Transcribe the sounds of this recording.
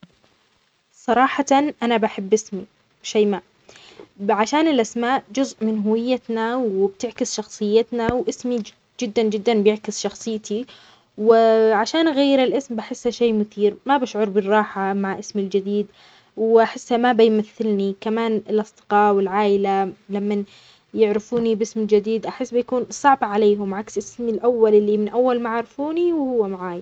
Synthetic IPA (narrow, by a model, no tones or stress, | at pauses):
sˤɑɾˤɑːħanʔanabaħɪbːɪsmi | ʃaːmaːʔ | ʕaʃaːnɪlʔasmaːʔd͡ʒʊzʔmɪnɦʊwɪjːat̪nawɪbt̪ɪʕkɪsʃɑxsˤɨjːɪt̪nawʔɪsmi | d͡ʒɪd̪ːand͡ʒɪd̪ːanbjɪʕkɪsʃɑxsˤɨjːt̪ʰi | wɪʕaʃaːnɣajːɪɾɪlʔɪsmbaħɪsːhaʃeːmʊθiːɾmabaʃʕʊɾˤbɪrˤːɑːħamaʕʔɪsmɪld͡ʒɪd̪iːd̪ | wʔaħɪsːhamabajmaθːɪlnikamaːnɪlʔɑsˤd̪̥ɪ̥qɑːwɪlʕaːʔɪlalamːan | jɪʕɾɪfuːnibɪsmɪld͡ʒɪd̪iːd̪ʔaħɪsːbɪjkuːnsˤɑʕbʕaleːɦʊmʕaksʔɪsmɪlʔawːalʔɪlːimɪnʔawːalmaʕaʕɾɪfuːniwhʊwːamaʕaːj